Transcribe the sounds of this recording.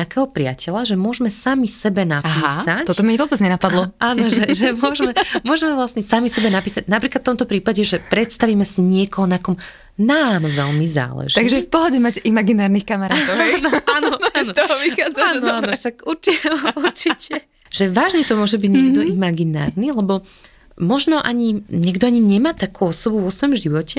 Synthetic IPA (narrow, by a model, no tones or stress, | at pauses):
akɛɦɔpɾɪa̰cɛlaʒɛmʊɔʒmɛsamisɛbɛnapiːsac̪ɔt̪ɔmɛʋɔbɛd͡zɲɛnapad̪lɔʔaːnɔʒɛʒɛmʊɔʒmɛmʊɔʒɛmɛʋlasɲɛsamisɛbɛnapiːsaɟnapɾiːklatft̪ɔmt̪ɔpɾiːpaɟɛʒɛpɾɛt̪st̪aʋiːmɛsiɲɪɛkɔɦɔnakɔm | naːnɔʋɛlmiza̰ːlɛ̰ʒt̪ːaɡʒɛfpɔɦɔɟɛmacimaɡinaːɾnixkamaɾaːt̪ɔnaːnɔaːnɔt̪ɔɔʋixaːd͡zaːnɔaːnɔʃakuɾt͡ʃiuɾt͡ʃicɛ | ʒ̥ɛʋaːʒɲɛt̪ɔmʊɔʒɛbiɟɲɪɛɡd̪ɔimaɡina̰ːɾnilɛbɔ | mɔʒnɔʔaɲiɲɛɡd̪ɔaɲiɲɛmaːt̪akuːɔsɔbuʋɔsʋɛmʒiʋɔcɛ